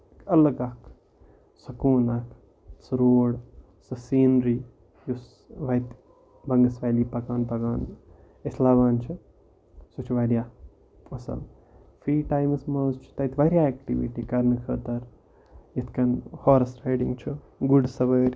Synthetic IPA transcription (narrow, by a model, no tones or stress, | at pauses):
ɐlɐɡakʰ | sɐkuːnakʰ | sɾoːɽ | sɨsiːnɾiː | jus | ʋɐjt̪ | bɐŋɡɐsʋaːliːpɐkaːnpɐkaːn | eslaːʋaːnt͡ʃʰi | sut͡ʃʰiʋɐɾjaː | ɐsɐ̰l | fʰɾiːʈaːjmsmɐːzt͡ʃʰi̥t̪ɐjt̪ʰʋaɾʲjaːekʈiʋḭʈikɐɾnɨkʰəːt̪ɐɾ | jɐt̪ʰkɐnhoːɾɐsɾajɖiŋɡt͡ʃʰu | ɡuɖsɐʋəːɾʲ